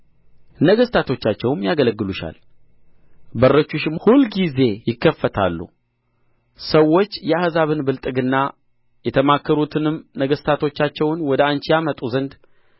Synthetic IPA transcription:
nəɡəst̪ʰat̪ʰo̞t͡ʃːat͡ʃːɛwmjaɡələɡːɨluʃa̰l | bərːət͡ʃːuʃɪmhulɡize̞jɪkːəfːət̪ʰa̰lːṵ | səwːo̞t͡ʃːjɛahzaβɨnbɨlt̪ʼɨɡɨnːa | jɛt̪ʰəmakːəɾut̪ʰɨnɨmnəɡəst̪ʰat̪ʰo̞t͡ʃːat͡ʃːɛwnwɔd̪əant͡ʃjamət̪ʼuzənd̪

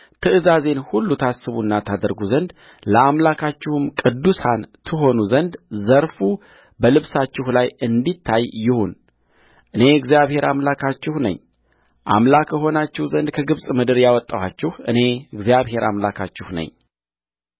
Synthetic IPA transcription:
t̪ʰɨʔɨzaze̞nhulːut̪ʰasːɨβunːat̪ʰad̪əɾɡuzənd̪ | ləamlakʰat͡ʃːɪhɨmkʼɨd̪ːusant̪ʰɨɦo̞nuzənd̪zəɾfu | bəlɨβsat͡ʃːɪhlajɨnd̪it̪ʰːajːɪhun | ʔɨne̞ɨɡzijaβhe̞ɾʔamlakʰat͡ʃːɪhnə̰ɲː | ʔa̰mlakʰəɦo̞nat͡ʃːɪhzənd̪̚kʰəɡɨβsʼmɨd̪ɨɾjawɔt̪ʼːawat͡ʃːɪhɨ̰ne̞ɨɡzijaβhe̞ɾa̰mlakʰa̰t͡ʃːɪhnə̰ɲː

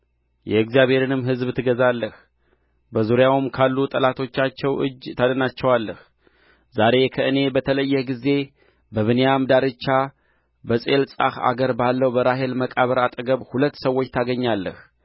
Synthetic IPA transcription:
jɛɨɡzijaβhe̞ɾɨnɨmːɦɨzbt̪ʰɨɡəzalːəh | bəzuɾjawmkʰalːut̪ʼəlat̪ʰo̞t͡ʃːat͡ʃːɛwʔɨ̰d͡ʒt̪ʰad̪ənat͡ʃːɛwalːəh | zaɾe̞kʰəʔɨne̞bət̪ʰələjːɛhɡize̞ | bəβɨnejamd̪aɾɨt͡ʃːa | bəsʼelsʼa̰xa̰ɡəɾbalːəwbəɾaɦe̞lməkʼaβəɾat̪ʼəɡəβhulət̪ːsəwo̞t͡ʃːt̪ʰaɡəɲːalːə̰h

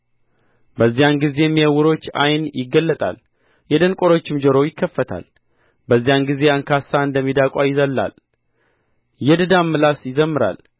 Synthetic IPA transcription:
bəzːijanɡize̞jmːiəwʊɾo̞t͡ʃːa̰jnjɪɡːəlːət̪ʼa̰l | jɛd̪ənkʼo̞ɾo̞t͡ʃːɪmd͡ʒəɾo̞jɪkʰːəfːət̪ʰa̰l | bəzːijanɡize̞əŋkʰasːaɨnd̪əmːid̪akʼajɪzəlːa̰l | jɛd̪ɨd̪amːɨlasjɪzəmːɨɾa̰l

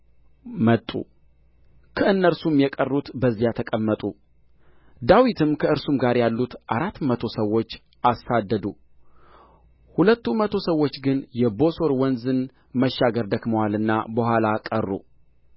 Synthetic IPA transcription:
mət̪ʼːṵ | kʰəɨnːəɾsumjɛkʼərːut̪bəzːijat̪ʰəkʼəmːət̪ʼu | d̪awit̪ʰɨmkʰəɨɾsumɡaɾjalːut̪ʔaɾat̪ːmət̪ʰo̞səwːo̞t͡ʃː | ʔasad̪ːəd̪u | hulət̪ːumət̪ʰo̞səwːot͡ʃːɡɨnjɛbo̞so̞ɾwɔnzɨn | məʃːaɡəɾd̪əkməwalɨnːabəhʷalakʼərːṵ

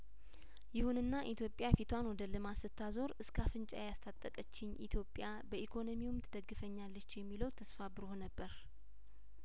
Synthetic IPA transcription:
jɪhunɨnːaʔit̪ʰjo̞pʼːjafit̪ʰwanwɔd̪əlɨmasɨt̪ʰːazo̞ɾɨskʰafɨnt͡ʃʼa̰jjast̪ʰat̪ʼːəkʼət͡ʃːɪɲːʔḭt̪ʰjo̞pʼja | bəʔikʰo̞no̞miwʊmt̪ʰɨd̪əɡːɨfəɲːalːət͡ʃːjɛmːiləwt̪ʰəsfabɨɾohonəbːəɾ

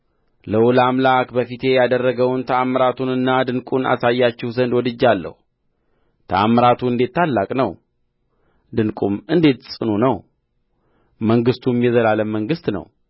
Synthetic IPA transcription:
ləwulamlakbəfit̪ʰe̞jad̪ərːəɡəwnt̪ʰəaməɾat̪ʰunɨnːad̪ɨnkʼuna̰sajːat͡ʃːɛhzənd̪wɔd̪ɨd͡ʒːalːə̰hu | t̪ʰəaməɾat̪ʰuɨnd̪e̞t̪ːalːakʼnəw | d̪ɨnkʼumɨnd̪et̪sʼɨnunəw | məŋɡɨst̪ʰumjɛzəlaləmːəŋɡɨst̪nə̰w

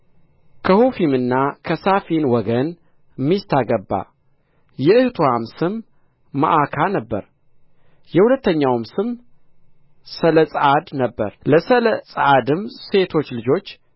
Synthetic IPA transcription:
kʰəhufimɨnːakʰəsafinwɔɡən | mːist̪ʰaɡəbːa̰ | jɛɨht̪ʰwamsɨmː | a̰ʔakʰanəbːə̰ɾ | jɛhulət̪ːəɲːawmsɨm | sələsʼad̪nəbːə̰ɾləsələsʼad̪ɨmse̞t̪ʰo̞t͡ʃːlɨd͡ʒo̞t͡ʃː

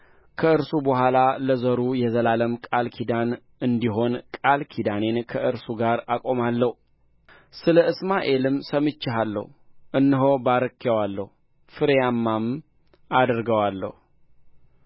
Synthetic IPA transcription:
kʰəɨɾsubəhʷalaləzəɾujɛzəlaləmkʼalkʰid̪an | ɨnd̪iɦo̞nkʼalkʰid̪ane̞nkʰəʔɨɾsuɡaɾakʼo̞malːəhu | sɨləɨsmaʔe̞lɨmsəmɨt͡ʃːɪɦalːə̰huʔɨnːɨɦo̞baɾəkʰːewalːəhu | fɨɾjamːam | ad̪ɾɡəwalːə̰hu

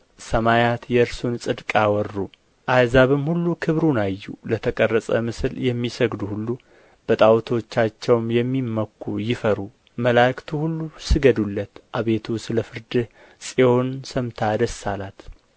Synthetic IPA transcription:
səmajat̪jɛɨɾsunsʼɨd̪kʼawɔrːu | ʔajzaβɨmhulːukʰɨβɾunajːṵlət̪ʰəkʼərːəsʼə̰mɨsɨljɛmːisəɡd̪uhulːu | b̥ət̪ʼawt̪ʰo̞t͡ʃːat͡ʃːɛwmjɛmːimːəkʰːujɪfəɾu | məlakt̪ʰuhulːusɨɡəd̪ulːət̪ʔaβe̞t̪ʰusɨləfɨɾd̪ɨh | sʼio̞nsəmt̪ʰad̪əsːalat̪

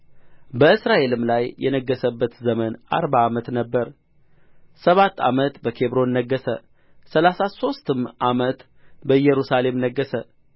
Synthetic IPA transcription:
bəɨsɾaʔe̞lɨmlajːɛ̰nəɡːəsəbːət̪zəməna̰ɾbaːmət̪nəbːəɾ | səβat̪ːa̰mət̪bəkʰeβɾo̞nnːəɡːəsə̰ | səlasaso̞st̪ɨmʔamət̪ | bəɨjɛɾusale̞mnəɡːəsə

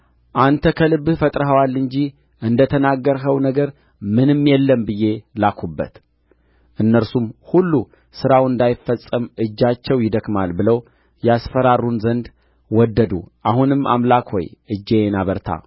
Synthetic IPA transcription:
ʔant̪ʰəkʰəlɨbfət̪ʼɾəɦəwalːɨɲd͡ʒi | ʔɨnd̪ət̪ʰənaɡːəɾɦəwnəɡəɾ | mɨnɨmjɛlːəmbɨjːe̞lakʰubːə̰t̪ | ʔɨnːəɾsumhulːu | sɨɾawɨnd̪ajɪfːəsʼəmʔɨd͡ʒːat͡ʃːɛwjɪd̪əkmalbɨləw | jɛasfəɾarːunzənd̪ | wɔd̪ːəd̪ṵʔahunɨma̰mlakhɔ̰jʔɨd͡ʒːenaβəɾt̪ʰa̰

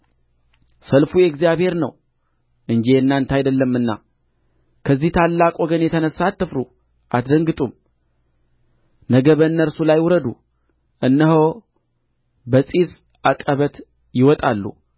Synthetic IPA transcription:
səlfujɛɡzijaβhe̞ɾnəw | ʔɨnd͡ʒiɨnːant̪ʰajd̪əlːəmːɨnːa̰ | kʰəzːiht̪ʰalːakʼoɡənjɛt̪ʰənəsat̪ːəfɾu | ʔat̪d̪əŋɡɨt̪ʼum | nəɡəβənːəɾsulajwuɾəd̪u | ʔɨnːəɦo | bəsʼis | akʼəβət̪ | jɪwɔt̪ʼalːṵ

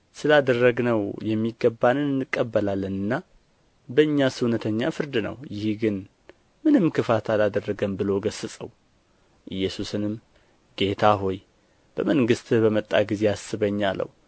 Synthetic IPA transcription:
sɨlad̪ərːəɡnəwjɛmːiɡːəbːanɨnnɨkʼːəbːəlalːənɨnːa | bəɨɲːasɨwnət̪ʰəɲːa̰fɨɾd̪ɨnə̰wjɪhɡɨn | mɨnɨmkɨfat̪ʰalad̪ərːəɡəmbɨlo̞ɡəsɨsʼə̰w | ʔɨjːɛsusɨnɨm | ɡ̥e̞t̪ʰaɦo̞j | b̥əməŋɡɨst̪bəmət̪ʼːa̰ɡize̞asɨβəɲːalːə̰w

